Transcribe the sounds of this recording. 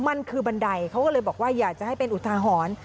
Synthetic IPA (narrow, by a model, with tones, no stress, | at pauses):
ma˧nkʰɯː˧ba˧nda˧jkʰa˥wkɔː˥˩lɤː˧jbɔː˨˩k̚waː˥˩jaː˨˩k̚t͡ɕa˨˩ha˥˩jpe˧nʔu˨˩t̪ʰːaː˧ɦɔː˩˦n